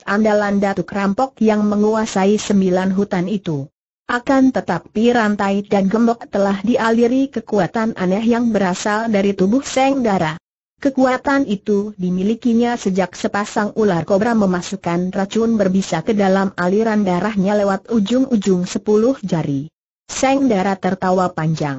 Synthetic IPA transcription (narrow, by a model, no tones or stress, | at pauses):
ʔandalandat̪ukɾampɔk̚jaŋməŋuasaisəmbilanɦut̪anit̪u | ʔakant̪ət̪ap̚iɾant̪ajdanɡəmbɔk̚t̪əlahdiʔaliɾikəkuat̪anʔa̰nɛɦjaŋbəɾasaldaɾit̪ubʊhsɛŋdaɾah | kəkuat̪anit̪udimilikiɲasəd͡ʒak̚səpasaŋularkobɾaməmasukanrat͡ʃunbərbisakədalamaliɾandaɾahɲalewat̪̚ud͡ʒʊŋud͡ʒʊŋsəpulʊhd͡ʒaɾi | sɛŋdaɾat̪ərt̪awapaɲd͡ʒaŋ